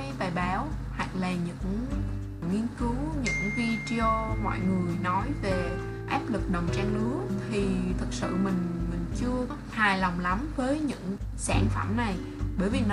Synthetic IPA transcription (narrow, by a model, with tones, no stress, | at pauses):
t̪aː˨˩jɓaː˨˦wha̰˧˨ŋlaː˨˩ɲɨ̰˧˥ŋ | ŋi˧ənkɨ˨˦wɲɨ̰˧˥ŋvi˧t͡ɕt͡ɕɔɔ˧mɔ̰ː˧˨jŋɨ˨˩əjnɔ˨˦jve˨˩ | ʔaː˦˥p̚lɨ˨˩k̚ɗə˨˩wŋ͡mt͡ɕaː˧ŋlɨ˨˦ət̪ʰi˨˩t̪ʰɨ˨˩k̚sɨ̰˧˨mï˨˩ŋ̟mï˨˩ŋ̟t͡ɕɨ˧əkhaː˨˩jla˨˩wŋ͡mla˨˦mvəː˨˦jɲɨ̰˧˥ŋsaː˧˩ŋfə˧˩mna˨˩j | ɓəː˧˩jvi˨˩n